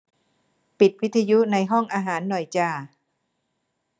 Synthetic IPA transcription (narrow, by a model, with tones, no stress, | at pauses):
pi˨˩t̪̚wi˦˥t̪ʰːa˧ju˦˥na˧jɦɔ˥˩ŋʔaː˧ɦaː˩˦nːɔ˨˩jt͡ɕaː˧˩